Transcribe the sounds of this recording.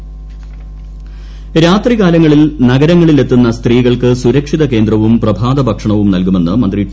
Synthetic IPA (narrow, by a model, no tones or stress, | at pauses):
ɾaːt̪riɣaːlɐŋːɐɭilnɐɡɐɾɐŋːɐɭile̞t̪ːunːɐst̪riːɣɐɭkɨsuɾɐkʂiðɐke̞ːnd̪rɐʋumprɐbʱaːd̪ɐbʱɐkʂɐɳɐʋumnɐlkume̞nːɨmɐnd̪ri